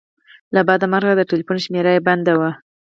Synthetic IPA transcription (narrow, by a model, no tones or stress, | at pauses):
labɑd̪amaɾɣad̪əʈelifunʃmeɾəjband̪awa